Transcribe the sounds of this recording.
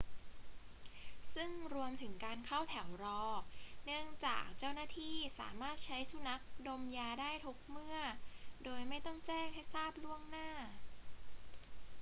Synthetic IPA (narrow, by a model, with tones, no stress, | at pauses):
sɯ˥˩ŋɾu˧əmt̪ʰɯ˩˦ŋkaː˧nkʰa˥˩wt̪ʰɛ˩˦wɾɔː˧nɯ˥˩əŋt͡ɕa̰ː˨˩k̚t͡ɕa˥˩wnaː˥˩t̪ʰiː˥˩sa̰ː˩˦maː˥˩t̪̚t͡ɕʰa˦˥jsu˧na˦˥k̚do˧mjaː˧daː˥˩jt̪ʰo˦˥k̚mɯ˥˩ɐdoː˧jma˥˩jt̪ɔ˥˩ŋt͡ɕɛː˥˩ŋha˥˩jsaː˥˩p̚lu˥˩əŋnaː˥˩